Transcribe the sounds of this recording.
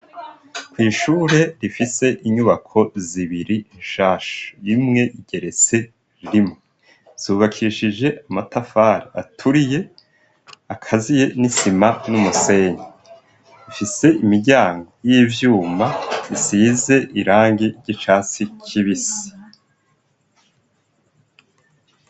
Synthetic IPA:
kwiːʃuːɾe̞ɾifise̞ʔiɲuβakʰo̞ziβiɾinʃaːʃu̥imŋe̞ʔiɟ̥e̞ɾe̞t͡se̞ | ɾimŋe | z̥uːβakʰiːʃid͡ʒe̞amatafaːɾia̰tʰuɾije̞ | akʰazije̞nisimanumuse̞ːɲe | ifise̞ʔimiɟaːŋɡo̞jiːvjuːmaisiːze̞ʔiɾaːŋɡiɾɟit͡ʃaːt͡sicʰiβisi̥

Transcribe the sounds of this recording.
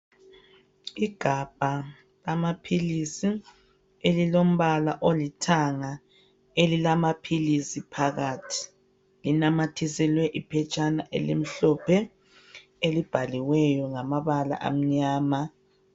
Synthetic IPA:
iɡ̥ʱab̥ʱa | lamapʰilisi | elilom̩βalaʔolitʰaŋa | elilamapʰilisipʰaɣatʰi̥ | linamatʰisɛlwɛʔipʰɛt͡ʃʼana̰ʔḛlḭm̩ɬɔpʰɛ | elib̥ʱaliwɛjɔŋamaβala̰ʔa̰m̩ɲaːma

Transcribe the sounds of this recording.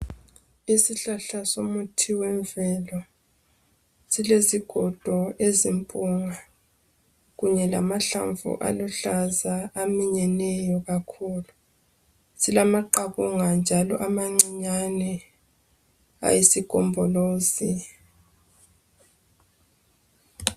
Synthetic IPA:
isiɬaɬasomutʰiwɛɱvɛlɔ | sileziɡ̥ʱɔd̥ʱɔezimpʼuŋa | ɣuɲɛla̰maɬaɱvṵʔa̰luɬazaːmiɲɛnɛjɔɣakʰuːlu | silamaǃaɣuŋand͡ʒʱalɔ̰ʔamaŋ͡ǀiɲanɛ | a̰jisiɡ̥ʱɔmbʱɔloːzi

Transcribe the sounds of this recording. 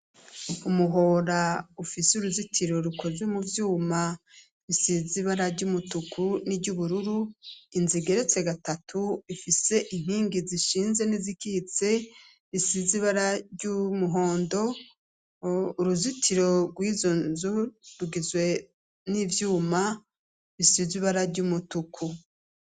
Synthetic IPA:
umuɦo̞ɾaufisuɾuzitʰiɾo̞ɾukʰo̞zemuvjuːma | βisiziβaɾaɾɟumutukʰuniɾɟuβuɾuɾuinziɡe̞ɾet͡se̞ɡatatʰuifise̞ʔiŋ̥hiːŋɡiziʃiːnze̞nizikihit͡se̞ | βisiziβaɾaɾɟumuɦo̞ːndo̞ | uɾuzitʰiɾo̞ɡwiːzonzuɾuɡizwe̞ | nivjuːma | βisiziβaɾaɾɟumutukʰu

